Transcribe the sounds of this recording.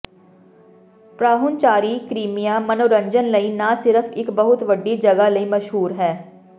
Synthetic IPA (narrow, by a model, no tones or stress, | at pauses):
pɾaːɦʊnt͡ʃaːɾikɾiːmijamɐnoːɾə̃ɲd͡ʒənlɐinasɪɾəfʰɪkbɐɦʊt̪ʋɐɖːid͡ʒɐɡalɐimɐʃɦuːɾɦɛː